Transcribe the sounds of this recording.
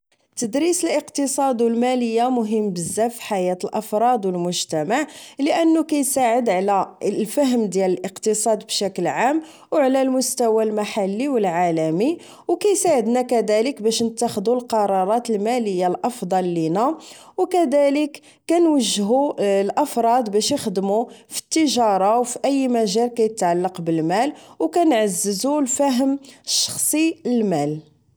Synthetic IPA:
t̪ːəd̪ɾisəlʔəqt̪əsˤɑd̪wəlmæləjːamʊɦəmːbəzːæfi̥ħajæt̪əlʔɑfɾˤɑd̪wəlmʊʒt̪æmaʕləʔənːukæjsaʕəd̪ʕlælfæɦəmd̪jæləlʔəqt̪əsˤɑd̪bʃækəlʕam | wʕlælmʊst̪æwælmaħalːiwəlʕalæmi | wkæjsaʕəd̪nækæd̪æləkbæʃnət̪ːæxəd̪ulqɑɾˤɑɾˤɑt̪əlmæləjːalʔɑfd̪ˤɑlːinæwkæd̪æləkː | ænwəʒːɦulʔəfɾˤɑd̪bæʃjəxd̪mufi̥t̪ːəʒɑɾˤɑwfiʔəjːmæʒælkæjət̪ʕalːɑqbəlmælwkænʕazːəzulfæɦəmʃːɑ̥xsˤiəlmæl

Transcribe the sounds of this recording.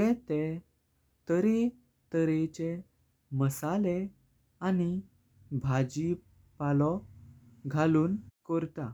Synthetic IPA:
jɛ̃t̪e | t̪əɾe | t̪əɾet͡ɕe | məsale | ani | bʱad͡ʑi | palɔ | ɡʱaluːnkəɾt̪a

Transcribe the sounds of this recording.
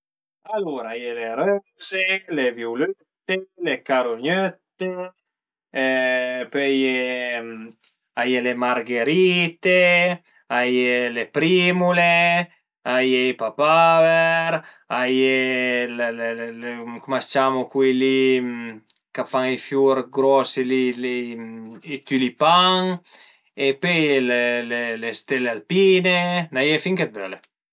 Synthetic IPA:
aluɾaajeleɾø | zelevjuløt̪ːelekaɾoɲøt̪ːe | pøjem | ajelemaɾɡeɾit̪e | ajelepɾimule | ajejpapavɛɾ | ajelelelkumast͡ʃamukwili | kafaŋefjuɾɡɾɔsilili | it̪ylipaŋ | epølelelest̪elealpinenajefiŋket̪̚vøle

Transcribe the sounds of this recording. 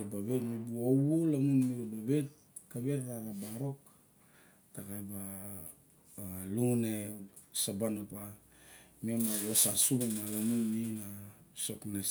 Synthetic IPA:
ebaβetmibuowolanunmiɾubaβet | kaβetaɾabaɾo̞k | takajba | lune | sabanopa | miemawosasubemalamunminasokna

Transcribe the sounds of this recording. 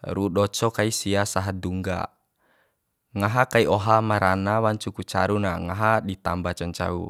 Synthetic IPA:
ɾuɗɔt͡ʃɔkaisiasaɦaduŋɡa̰ | ŋaɦakaiɔɦamaɾanawaɲt͡ʃukut͡ʃaɾuna̰ŋaɦaɗit̪ambat͡ʃaɲt͡ʃa̰ṵ

